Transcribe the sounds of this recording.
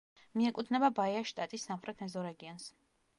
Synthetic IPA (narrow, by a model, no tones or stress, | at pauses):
miɛkʼud̪ʰnɛbabaiaʃt̪ʼat̪ʼisːamχɾʔɛt̪ʰnɛzɔɾɛɡiɔns